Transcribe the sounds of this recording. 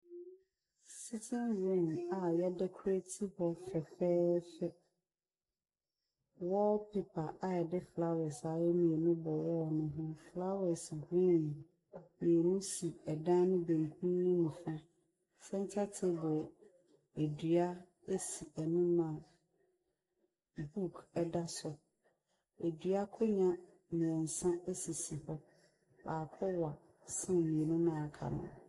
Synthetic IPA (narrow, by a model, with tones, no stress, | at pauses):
si˦tʰɪ̃˦nɾõ˦˨ma˨jɛ˦dɛ˦kʰu˦ɾæ˦tʰi˦hɔ˦fɛ˨fɛː˦fɛ˦ | wɔ˦pʰe˨pʰa˨ʔa˨ɛ˨dɪ˦fla˦wɛ˨sa˨˦jɛ˦mĩ˨ɛ˨nʊ̃˦bɔ˨wɔ˦˨nʊ̃˦ɦʊ̃˦fla˦wɛ˨si˨ɡĩ˦nĩ˨ | mĩ˨ɛ˨nʊ̃˦si˨ɛ˨dã˦nʊ̃˦bẽ˨ŋ˨kʰĩ˦nũ˨fa˦ | sɛ̃˦n˦tʰa˦tʰɪ˦bʊ˨ | e˨dɥa˦ | e˦si˨ɛ˨nĩ˦mã˨ | bu˦˨kʰɛ˦da˦sʊ˨ | e˨dɥa˦kʰɔ˦ɲã˦ | mĩ˨ɛ̃˨n̩˨sã˦e˦si˨si˨hɔ˦ | baː˨kʰɔ˦wa˨ | sɪ̃˦˨mĩ˨e˨nũ˦nã˦˨a˨kʰa̰˨nʊ̰̃˦˨